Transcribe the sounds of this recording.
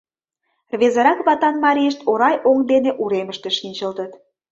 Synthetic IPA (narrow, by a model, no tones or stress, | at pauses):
rβezəɾɑkβɑt̪ɑnmɑɾʲijəʃt̪oɾɑjʔoŋd̪eneʔuɾeməʃt̪eʃinʲt͡ɕə̆lt̪ət̪